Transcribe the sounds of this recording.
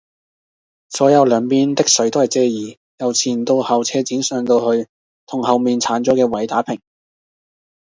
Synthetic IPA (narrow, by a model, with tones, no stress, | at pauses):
sɔː˨˥jɐ˨˧wlœː˨˧ŋpiː˧˥nt̪ɪ˥k̚sɵ˨˥ɥt̪o˥whɐ˨jt͡sɛː˧jiː˨˩ | jɐ˨wt͡sʰiː˨˩nt̪o˧whɐ˨wt͡sʰɛː˧t͡siː˨˥nsœː˧ŋt̪o˧whɵ˧ɥ | t̪ʰʊ˨˩ŋhɐ˨wmiː˨nt͡sʰaː˨˥nt͡sɔː˨˥kɛː˧wɐ˨˥jt̪aː˨˥pʰɪ˨˩ŋ